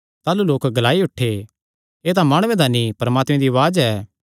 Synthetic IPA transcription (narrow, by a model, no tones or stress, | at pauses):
t̪aːluloːkɡɐlaːiʊʈʰːe | eːt̪ãmaːɽ̃ʊʋẽd̪aːnipɐɾmaːt̪mẽd̪iɐʋaːd͡ʒɛː